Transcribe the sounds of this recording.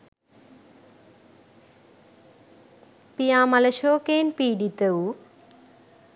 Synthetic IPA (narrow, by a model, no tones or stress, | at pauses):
pijãːmɐlɐʃoːkeːnpiːɖit̪ɐu